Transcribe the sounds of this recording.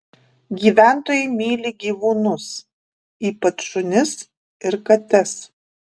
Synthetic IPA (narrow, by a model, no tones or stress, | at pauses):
ɡʲiːʋʲæˑnt̪oːjɛɪmʲiːlʲɪɡʲiːʋuːnʊs | iːpɐt̪ʃʊnʲɪs | ɪɾkɐt̪ʲɛs